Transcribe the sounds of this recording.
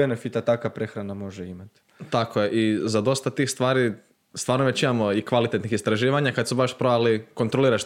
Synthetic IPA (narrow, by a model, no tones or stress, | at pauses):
enefit̪at̪akapɾe̞xɾanamo̞ʒeimat̪ | t̪akʰojeʔizad̪o̞st̪at̪iːxst̪ʋaːɾi | st̪ʋaːɾnoʋet͡ɕimamo̞ikʋalit̪et̪nixist̪ɾaʒiːʋaɲakad̪subaʃpɾoaliko̞nt̪ɾoliːɾat͡ʃ